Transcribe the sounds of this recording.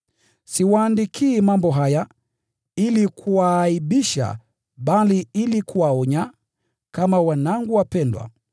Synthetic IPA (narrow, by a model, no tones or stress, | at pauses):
siwaːndikʰiːmambɔɦaja | ilikʰuwaːiɓiʃa̰ | ɓaliilikʰuwaɔɲa | kamawanaŋɡuwapɛndwa̰